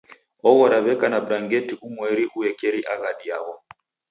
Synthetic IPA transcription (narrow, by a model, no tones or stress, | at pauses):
ɔɣɔɾaβɛkanabɾaŋɡɛtiʔumwɛɾiʔuɛkɛɾiʔaɣaɗiaɣɔ